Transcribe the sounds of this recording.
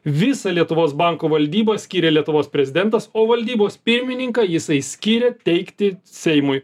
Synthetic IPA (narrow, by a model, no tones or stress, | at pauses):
ʋʲɪsɐlʲiɛt̪ʊʋoːsbɐŋkoːʋɐlʲd̪ʲiːbɐsʲkʲiːɾʲɛlʲiɛt̪ʊʋoːspʲɾʲɛzʲɪd̪ʲɛnt̪ɐsoːʋɐlʲd̪ʲiːboːspʲɪɾʲmʲɪnʲɪŋkɑjɪsɐɪsʲkʲiːɾʲet̪ʲɛɪkt̪ʲɪsʲɛɪmʊj